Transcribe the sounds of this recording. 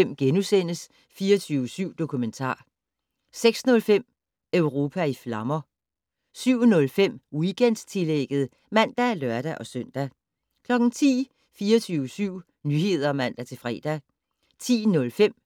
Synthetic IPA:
em̰ɡ̥enusen̰əs | fiːɐt͡sʰyːʊəsyʊ̰d̥o̝kʰument͡sʰɑ̰̈ː | seɡ̥snɔ̽lfem̰ | øʊʁo̝ːpʰæiflɑ̈mɐ | syʊ̰nɔ̽lfem̰iɡ̥en̰d̥st͡sʰe̝leɡ̥əð̩ˠə | mæn̰d̥ælɶɐɾ̥æʔɒ̽søn̰d̥æ | kʰlɒ̽ɡ̥n̩t͡sʰḭː | fiːɐt͡sʰyːʊəsyʊ̰ | nyːhe̝ð̞̰ˠɐɒmæn̰d̥æt͡sʰe̝fʁɛ̰ːd̥æ | t͡sʰḭːnɔ̽lfem̰

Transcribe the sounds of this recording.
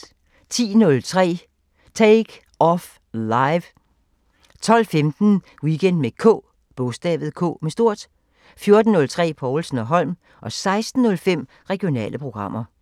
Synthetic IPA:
t͡sʰḭːnɔ̽lt͡sʰʁɛ̰ː | t͡sʰeːɡ̥ | ɒf | lɑ̈ɪʋ | t͡sʰɒ̽l̰femd̥n̩ | wiɡ̥en̰d̥mekʰɔ̰̽ː | b̥ɔ̽sd̥ɛ̰ːʋð̩ˠkʰɔ̰̽ːmesd̥o̝ɐ̰d̥ | fjo̝ɐd̥n̩ːɔ̽lt͡sʰʁɛ̰ːpʰɒʊlsn̩ɒ̽ɦɒ̽l̰m | ʔɒ̽sɑ̈ɪsd̥n̩ːɔ̽lfem̰ | ʁɛɡ̥io̝nɛ̰ːlʔəpʰʁo̝ɡ̥ʁɑ̈m̰ɐ

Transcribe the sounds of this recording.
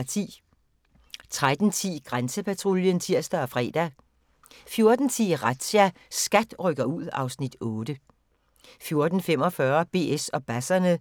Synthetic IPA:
t͡sʰḭː | t͡sʰʁad̥n̩t͡sʰḭːɡ̥ʁansəpʰæt͡sʰʁoljənt͡sʰiɐ̰sd̥ɐɒfʁɛ̰ːd̥æ | fjo̝ɐd̥n̩t͡sʰḭːʁɑd̥ɕæ | sɡ̥æd̥ʁœɡ̥ɐuð̞̰ˠɑ̈ʊsnid̥ɔ̽ːd̥ə | fjo̝ɐd̥n̩fem̰ɒ̽fɶɐb̥e̝̰ːesɒ̽b̥æsɐnə

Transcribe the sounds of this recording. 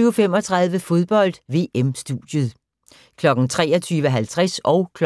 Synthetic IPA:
yʊfem̰ɒ̽t͡sʰʁɑ̈ð̞ˠʋəfo̝ð̞ˠb̥ɒ̽l̰d̥ʋe̝̰ːemsd̥ṵd̥jəð̞̩ˠ | kʰlɒ̽ɡ̥ŋ̩t͡sʰʁɛ̰ːɐt͡sʰyːʋəɦælt͡sʰʁasɒ̽ʊkʰ

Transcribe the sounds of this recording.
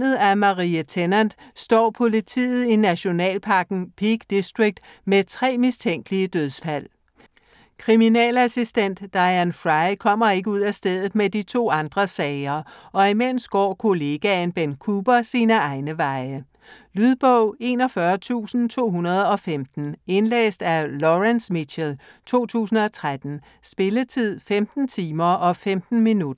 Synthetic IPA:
nð̩ˠæmɑ̈ʁiːət͡sʰenænd̥sd̥ɒ̰ːpʰo̝lit͡sʰḭːð̞̩ˠinæɕo̝nɛ̰ːlpʰɑ̈ɡ̥n̩pʰiɡ̥d̥isd̥ʁiɡ̥̚d̥ | met͡sʰʁɛ̰ːmist͡sʰeŋ̰ɡ̥əliəd̥øð̞ˠsfæl̰ | kʰʁiminɛ̰ːlæsisd̥en̰d̥ːɑ̈ɪænfʁɑɪkʰɒ̽m̰ɐe̝ɡ̥əuð̞̰ˠæsd̥eð̞̰ˠð̩ˠmed̥it͡sʰo̝̰ːɑ̈nd̥ʁɐsɛɪɐʔɒ̽imen̰sɡ̥ɒ̰ːkʰo̝le̝ɡ̥ænb̥enkʰuːb̥ɐsiːnəɑ̈ɪnəʋɑ̈ɪə | lyð̞ˠb̥ɔʊ̰e̝ːnɒ̽fɶɐt͡sʰṵːsn̩t͡sʰo̝̰ːɦunɐð̞ˠɒ̽femd̥n̩e̝nlḛːsd̥ælɒʁænsmiɕelt͡sʰo̝̰ːt͡sʰṵːsn̩ɒ̽t͡sʰʁad̥n̩ | sb̥e̝lət͡sʰið̰ˠfemd̥n̩t͡sʰiːmɐɒ̽femd̥n̩minud̥ɐ

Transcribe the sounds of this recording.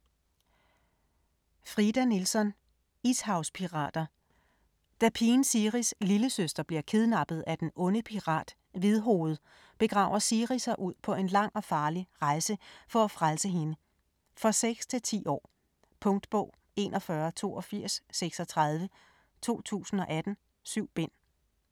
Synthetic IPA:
fʁid̥ænilsɒ̽n | ishɑ̈ʊspʰiʁɑ̰̈ːd̥ɐ | d̥æpʰiːnsiʁisliləsøsd̥ɐb̥liɐkʰeð̞ˠnɑ̈b̥ð̩ˠæd̥enɔ̽nəpʰiʁɑ̰̈ːd̥ | ʋiðˠɦo̝ːð̩ˠ | b̥e̝ɡ̥ʁɑ̰̈ːʊɐsiʁisɐʔuð̞̰ˠpʰɒ̽e̝nlɑ̈ŋ̰ɒ̽fɑ̈ːliʁɑ̈ɪsəfɒ̽æfʁalsəɦe̝nə | fɒ̽seɡ̥st͡sʰe̝lt͡sʰḭːɒ̰ː | pʰɔ̽ŋd̥b̥ɔ̰̽ʊ | e̝̰ːnʔɒ̽fɶɐt͡sʰo̝̰ːɒ̽fiɐ̰sːeɡ̥sɒ̽t͡sʰʁɑð̞ˠʋə | t͡sʰo̝̰ːt͡sʰṵːsn̩ɒ̽ʔæd̥n̩ | syʊ̰b̥e̝n̰

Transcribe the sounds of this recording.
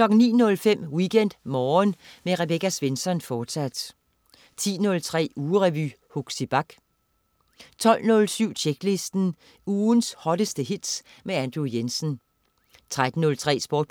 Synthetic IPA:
kʰlɒ̽ɡ̥n̩nːḭːnɔ̽lfem̰wiɡ̥en̰d̥mɒːnmeʁɛb̥eɡæsʋe̝nsɒ̽nfɒːd̥sæd̥ | t͡sʰḭːnɔ̽lt͡sʰʁɛ̰ːuːʁɛʋy̰huɡ̥sib̥ɑ̈ɡ̥ | t͡sʰɒ̽l̰nɔ̽lsyʊ̰t͡ɕʰeɡ̥le̝sd̥n̩ | uːnshɒ̽ɾ̥əsd̥əhid̥s | meænd̥ʁujensn | t͡sʰʁad̥n̩ːɔ̽lt͡sʰʁɛ̰ːsb̥ɔːd̥̚

